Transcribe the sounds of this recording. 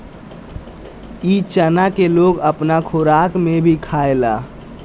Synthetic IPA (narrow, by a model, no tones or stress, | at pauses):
it͡ʃənakeloɡəpnakʰoɾakmebʱikʰaela